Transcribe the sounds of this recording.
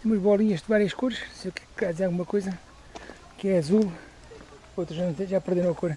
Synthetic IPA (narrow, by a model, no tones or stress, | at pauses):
umɐʒβɔlˠiɲɐʒd̪vaɾiɐʃkoɾɐʃsekɛ̥kkaðizeɾaɣumɐkojzɐ | kɛɐzulˠ | ot̪ɾuʒanɐ̃seʒapɨɾðeɾõɐkoɾɐ